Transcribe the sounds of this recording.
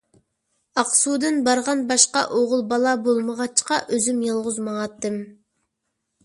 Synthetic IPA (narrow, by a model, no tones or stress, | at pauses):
ɑqsud̪ɨnbɑɾʁɑnbɑʃqɑ̰ʔoʁʊlˠbɑlˠɑbolˠməʁɑt͡ʃʰqɑʔøzymjɑlˠʁʊzmɑŋɑt̪ːɨm